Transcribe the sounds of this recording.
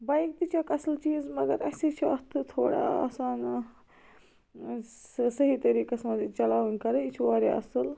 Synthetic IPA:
bɐjk̚t̪it͡ʃʰɐkɐsɐlt͡ʃiːzmɐɡɐɾɐsʲit͡ʃʰuɐst̪ʰɨt̪ʰo̰ːɽa̰ɐ̰saːn | sɐɦit̪ɐɾiːkɐsmɐd̪it͡ʃɐlaːʋɐnkɐɾɐit͡ʃʰuʋaːɾʲa̰ɐ̰sɨl

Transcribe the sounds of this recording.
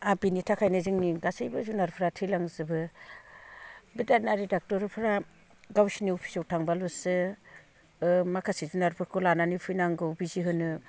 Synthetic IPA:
abinitʰakʰajnɯzɯŋniɡasajbɯzunaɾpʰɾatʰilaŋzɯbɯ | bidanaɾidak̚tɔɾpʰɾa | ɡawsiniɔpʰi̥sɔwtʰaŋbalɔsɯ | makʰasizunaɾpʰɯɾkʰɔlananipʰɯjnaŋɡɯwbiziɦɯnɯ

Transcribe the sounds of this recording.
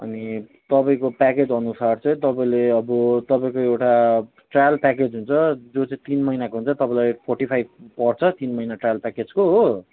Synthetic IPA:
ʌ̰nit̪ʌpaĩkopaked͡zʌnusart͡sʌĩt̪ʌpãĩleʌbʌt̪ʌpaĩkoewʈa | ʈrajalpaked͡zɦunt͡sʰʌd͡zot͡saĩt̪inmʌijnakoɦunt͡sʰʌt̪ʌpaĩlapʰorʈipʰajb̚pʌrt͡sʰʌt̪inmʌjnaʈrajalpaked͡zkoɦo

